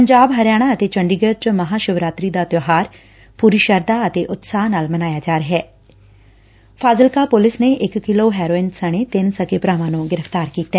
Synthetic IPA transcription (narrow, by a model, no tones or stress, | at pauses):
pəɲd͡ʒaːbɦəɾjaːɽ̃aət̪eːt͡ʃəɳɖiːɡəɾt͡ʃməɦaːʃʊʋɾaːt̪ɾiːd̪aːt̪joɦaːɾ | puːɾiːʃəɾd̪aːət̪eːʔʊt̪saːnaːlmənaːjaːd͡ʒaːɾəɦɛː | fʰaːzəlkaːpʊlɪsneːʔɪkːɪloːɦɛːɾoːɪnsəɽ̃eːt̪ɪnsəkeːpɾaːʋãːnũːɡɪɾəft̪aːɾkiːt̪ɛː